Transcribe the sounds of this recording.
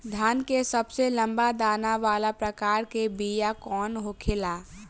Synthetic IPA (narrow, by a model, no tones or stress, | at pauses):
d̪ʱaːnkesəbselə̃mbad̪aːnaʋaːlapɾəkaːɾkebijakɔːnɦokʰelaː